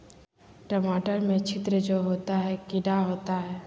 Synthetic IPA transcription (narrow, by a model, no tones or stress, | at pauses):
ʈəmaːʈəɾmẽt͡ʃʰɪt̪ɾəd͡ʒoːɦoːt̪aɦɛkɪɖaɦoːt̪aɦɛː